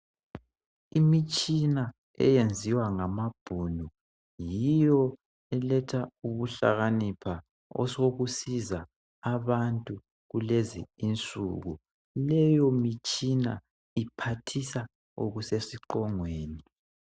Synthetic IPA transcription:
imit͡ʃʼina | ɛ̰jend͡zʱiwaŋamab̥ʱunu | jijɔ | ɛlɛtʰauβuɬa̰ɣanipʰa | ɔ̰soɣusizaː | βantʼu | ɣulezḭːnt͡sʼuɣu | lɛjɔmit͡ʃʼina | ipʰatʰisa | o̰ɣusesiǃɔŋweːni

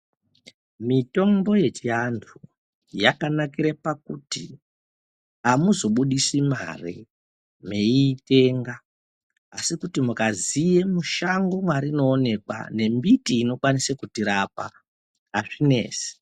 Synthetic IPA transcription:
mito̞mbo̞je̞t͡ʃiantʰu | jakanakiɾepakuti | amuzo̞ɓuɗisima̰ri | me̞iːte̞ːŋɡaː | sikutimukazije̞muʃaŋɡo̞mwaɾino̞ːne̞kwa̰ne̞mbitiːno̞kwanisekutiɾapa̰ | aʐine̞̰ːsi̥

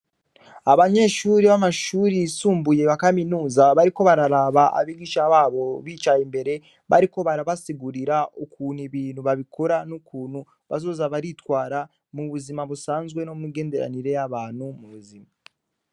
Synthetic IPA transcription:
aβaɲe̞ːʃuːɾiβamaʃuːɾisuːmbuje̞βakaminuːzaβaɾiko̞βaɾaɾaβaʔa̰βiɡiʃaβaːβo̞βiːt͡ʃajimbe̞ɾe̞ | βa̰ɾiko̞βaɾaβasiɡuɾiɾaukuːniβiːnhuβaβikʰo̞ɾanukuːn̤̥hu | βazo̞ːzaβaɾitwaːɾa | muβuzimaβusaːnzɡwe̞no̞miɡe̞ːnde̞ɾa̰niɾe̞jaβaːn̥humuβuzima

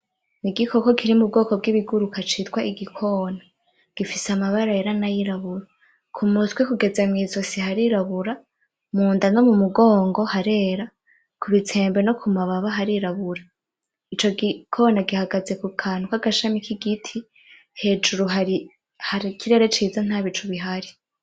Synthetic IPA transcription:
niɡikʰo̞ko̞kʰiɾimub̚ɡo̞ːko̞b̚ɡiβiɡuɾukat͡ʃiːtwaʔiɡikʰo̞na | ɡ̥ifiseamaβaɾaeɾanajiɾaβuɾa | kʰumutkwekuɡe̞zemŋiːzosihaɾiɾaβuɾa | muːndano̞mumuɡoːŋɡo̞haɾe̞ːɾa | kʰuβit͡sʰe̞ːmbe̞no̞kʰumaβaβaɦaɾiɾaβuɾa | it͡ʃo̞ɡikʰo̞ːnaɡihaɡaze̞kukʰaːn̥ukaɡaʃamikʰiɡitʰi | he̞ːd͡ʒuɾuɦaɾi | haɾikʰiɾe̞ɾe̞t͡ʃiːzan̥aːβit͡ʃuβiɦaɾi

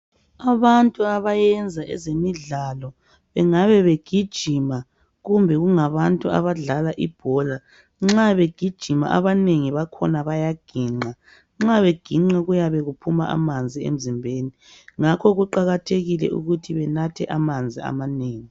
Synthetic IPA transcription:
aβantʼuaβajɛnd͡zʱaʔɛ̰zemiɮalɔ | βɛŋaβɛβeɡ̥ʱid̥ʒ̥ʱima | ɣumbʱɛɣuŋaβantʼua̰βaɮalaʔib̥ʱɔla | ŋ͡ǁaβeɡ̥ʱid̥ʒ̥ʱima̰ʔaβaneŋiβakʰɔnaβajaɡ̥ʱiːŋ͡ǀa | ŋ͡ǁaβeɡ̥ʱiŋ͡ǁaɣujaβɛɣupʰuma̰ʔa̰mand͡zʱiḛm̩zimbʱeːni | ŋakʰɔɣuǃaɣatʰeɣilɛ̰ṵɣutʰiβɛnatʰɛ̰ʔamand͡zʱia̰maneːŋi

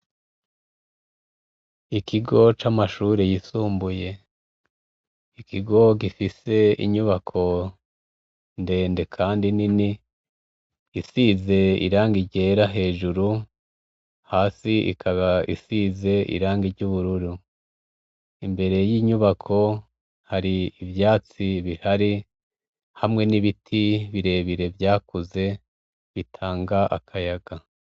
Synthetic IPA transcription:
ikiɡo̞t͡ʃamaʃuːɾejisuːmbuje̞ | ikiɡo̞ɡifise̞ḭɲuβakʰo̞ | nde̞ːnde̞kʰaːndinini | isize̞ḭɾaːŋɡiɾɟeːɾaɦe̞ːʒuɾu | haːsiḭkʰaβaʔisize̞ʔḭɾaːŋɡiɾɟuːβuɾuɾu | imbe̞ɾe̞jiːɲuβakʰo̞ | haɾiivjaːt͡siβihaɾi | hamŋe̞niβitʰiβiɾe̞ːβiɾe̞vjaːkuze̞ | βitʰaːŋɡaʔa̰kʰajaɡa

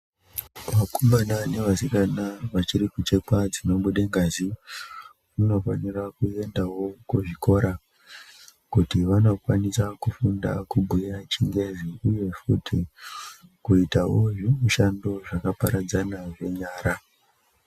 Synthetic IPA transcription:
ʋakumbanane̞ʋasikanaʋat͡ʃiɾikut͡ʃe̞kwad͡zino̞ɓuɗeŋɡazi | uno̞fanirakue̞ndawo̞kuʐiko̞ɾa | kutiʋano̞kwanisakufunda̰kubʱujat͡ʃiŋɡe̞ziuje̞futʰi | kuitawoʐimuʃando̞ʐakapaɾad͡zanaʐe̞ɲaːɾa

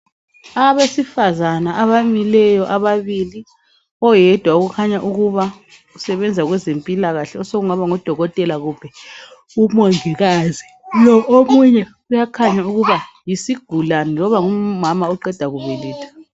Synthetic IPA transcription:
aβesifazanaaβamilɛjɔʔaβaβili | ɔjɛd̥ʱwauɣukʰaɲaʔuɣuβa | usɛβɛnd͡zʱaɣwɛzempʼilaɣaɬɛɔsoɣuŋaβaŋɔd̥ʱɔɣɔtʼɛlaɣub̥ʱɛ | umɔŋiɣazi | lɔʔomuɲɛ | ujakʰaɲauɣuβa | jisiɡ̥ʱulanilɔβaŋumamaɔǃɛd̥ʱaɣuβɛlɛːtʰḁ

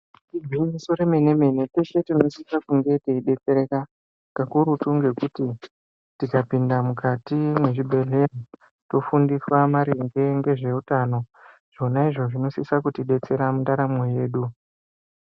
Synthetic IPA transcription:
tiɡʱiɲiso̞ɾeme̞ne̞me̞ne̞te̞ʃe̞tino̞sisakuŋɡe̞teiɗe̞t͡se̞ɾe̞ka | kakuɾutuŋɡe̞kuti | tikapindamukatimwe̞ʐibʱe̞ɮe̞ri | to̞fundiswamaɾiŋɡeŋɡe̞ʐe̞utano̞ | ʐ̥o̞naiʐo̞ʐino̞sisakutiɗe̞t͡se̞ɾamundaɾamo̞je̞ːɗu

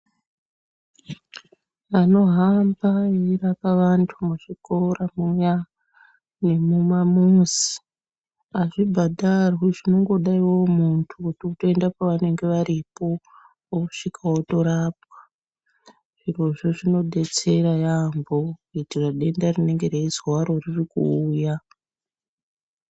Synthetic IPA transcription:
ano̞ɦambaeirapaʋantʰumuʐiko̞ramuja | ne̞mumamuzi̥ | aʐibʱadʱarwiʐino̞ŋɡo̞ɗaiwo̞muntʰukutiutoendapaʋane̞ŋɡe̞ʋaɾipo̞ | oku̥ʂikʰawoto̞ɾaːp̚wḁ | ʐ̥iro̞ʐo̞ʐino̞ɗe̞t͡se̞ɾajambo̞kitiraɗe̞ndarine̞ŋɡe̞ɾeizwaɾo̞ririkṵːja

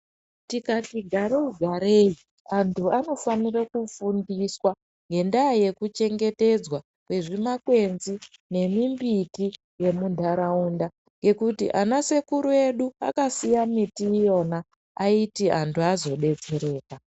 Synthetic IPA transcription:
tikatiɡʱaɾeuɡʱaɾei | antʰuano̞fanirakufundiswa | ŋɡe̞ndaaje̞kut͡ʃe̞ŋɡe̞te̞d͡zwa | kwe̞ʐimakwe̞nzine̞mimbiti | je̞mundʱaɾaunda | ŋɡe̞kutḭʔanase̞kuɾue̞ɗua̰kasijamitiːjo̞naː | itiantʰuazo̞ɗe̞d͡ze̞ɾe̞ːka

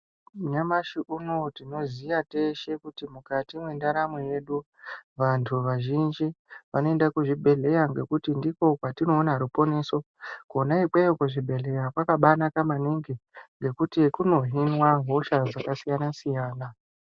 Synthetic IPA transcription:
ɲamaʃiʔunotino̞zijate̞ʃe̞kutimukatimwe̞ndaɾamweje̞ɗu | ʋantʰuʋaʒind͡ʒiʋano̞e̞ndakuʐibʱe̞ɮe̞jaŋɡe̞kutindiko̞kwatino̞ːnaɦɾupo̞ne̞ːso̞ | kuonaiɓejokuʐibʱe̞ɮe̞jakwakaɓanakamaniŋɡeŋɡe̞kutikuno̞ɦinwaɦo̞ʃazakasijanasijaːna

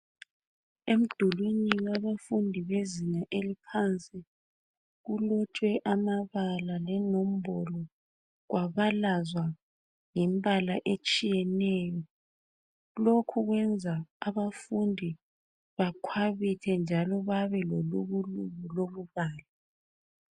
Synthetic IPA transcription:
em̩d̥ʱuluɲinaβafundʱiβezinaʔelipʰant͡sʼi | ɣulɔt͡ʃʼwɛʔamaβalalɛnom̩bɔlɔ | ɣwaβalazwa | ŋimbʱalaʔet͡ʃʼijɛnɛːjɔ | lokʰuɣwɛnd͡zʱaaβafundʱi | βakʰwaβitʰɛnd͡ʒʱalɔβaβɛlɔloβulumuloβuβaːlɛ

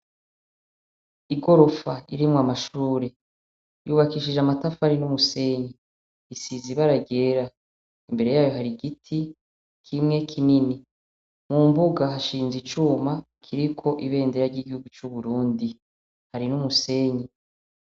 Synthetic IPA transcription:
iɡo̞ɾo̞faiɾimŋwamaʃuːɾe̞ | juːβakiːʃiʒamatafahaɾinumuse̞ɲi | isiziβaɾaɡe̞ːɾa | imbe̞ɾe̞jaːjo̞ɦaɾiɡitʰi | kʰimŋe̞kʰinini | mumbuɡaɦaʃiːnzit͡ʃuːma | kʰiɾikʰo̞ʔiβe̞ːndeɾaɾɟiɡihuɡut͡ʃuβuɾuːndi | haɾinumuse̞ɲi

